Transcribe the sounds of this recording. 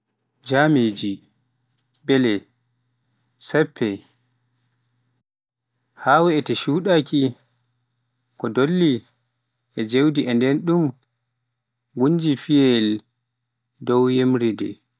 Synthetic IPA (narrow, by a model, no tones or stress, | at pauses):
d͡ʒamed͡ʒi | bɛlɛ | sɛpʰːɛ | haːwɛɛtɛʃuːɗaki | kɔdolːi | ʔɛd͡ʒewdiʔɛndɛnɗum | ɡuɲd͡ʒifiɛl | dɔwjemɾidɛ̰